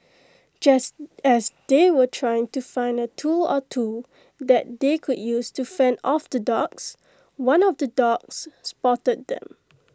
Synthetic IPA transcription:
d͡ʒasɛsdewətʰɹajɪ̃ŋtufãɪ̃ndətʰulɔtʰu | d̪ɛt̚d̪ekʰud̚justufɛ̃ndɔfd̪ədɔks | wãnɔfdədɔksːpɔtəd̚dɛ̰̃m

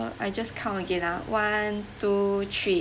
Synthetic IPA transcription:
ajd͡ʒaskʰãməɡɛ̃nawãntutʰɹi

